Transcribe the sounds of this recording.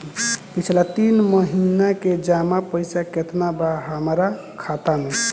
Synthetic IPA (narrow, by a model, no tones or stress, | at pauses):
pit͡ʃʰlat̪inməɦinaked͡ʒamapəjsaket̪ʰnabaɦəmɾa | kʰat̪ame